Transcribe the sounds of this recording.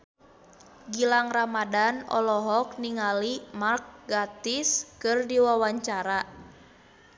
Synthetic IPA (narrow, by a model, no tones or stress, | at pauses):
ɡilaŋramadanɔ̰lɔɦɔk̚niŋalimark̚ɡat̪iskɨrdiwawaɲt͡ʃaɾa